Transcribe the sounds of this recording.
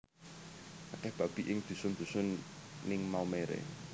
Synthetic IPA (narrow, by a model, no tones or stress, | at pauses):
kakɛhb̥ab̥iʔɪŋd̪̥ṳsʊnd̪̥ṳsʊnːɪŋmawmeɾḛ